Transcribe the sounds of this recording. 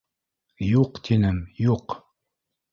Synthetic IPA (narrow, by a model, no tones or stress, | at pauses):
juqt̪ʰinɘmjuq